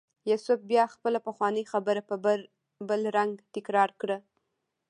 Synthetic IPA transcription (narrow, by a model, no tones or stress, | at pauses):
jasʊf̚bjɑxpəlapəxwɑnəjxabəɾap | bəlɾaŋɡt̪ɪkɾɑɾkɽə